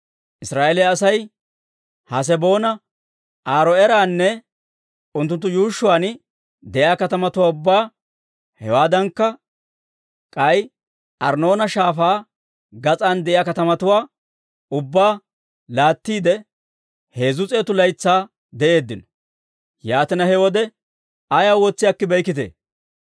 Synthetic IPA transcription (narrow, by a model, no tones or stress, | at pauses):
ʔɪsɾaːʔelɛːsɐj | hɐs̬ɛbo̞ːnɐ | ʔaːɾɔɛɾaːnːɛ | ʊnt̪̬ːʊnt̪ːʊjuːʃːʊwaːn | d̪ɛʔjaːkɐt̪ɐmɐt̪ʊwaːʊbːaː | hɛwaːd̪ɐŋkːɐ | kʼɐj | ʔɐɾno̞ːnɐʃaːfaː | ɡɐt͡sʼaːnd̪ɛʔɪjaːkɐt̪ɐmɐt̪ʊwaː | ʊbːaː | laːt̪ːiːd̪ɛ | he̞ːzʊt͡sʼe̞ːt̪ʊlɐjt͡sːaː | d̪ɛʔe̞ːd̪ːɪnɔ̥ | jaːt̪ɪnɐhɛwɔd̪ɛ | ɐjaːwɔt͡sːɪjaːkːɪbɛjkɪt̪ḛː